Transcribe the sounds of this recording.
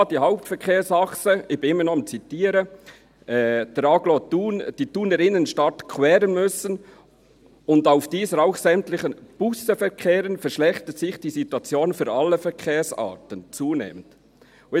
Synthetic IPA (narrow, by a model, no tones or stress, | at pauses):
d̥iːhaʊp̚tfɛɾkʰeːɾsɑxsəɪçb̥ɪnɪmːənɔɪmt͡sitiːəɾə | ʔɛːd̥ɛɾɑɡlotuːnd̥iːtuːnəɾɪnənʃtɑtkʰwɛːɾənmʏsən | ʊndaʊfd̥iːsəɾaʊxsɛmtlɪχənb̥usəfɛɾkʰeːɾənfɛɾʃlɛxtət̪sɪxd̥iːsituɑt͡sjoːnfyːɾɑlːəfɛɾkʰeːɾsɑ̰ːtənt͡suːnḛːmənt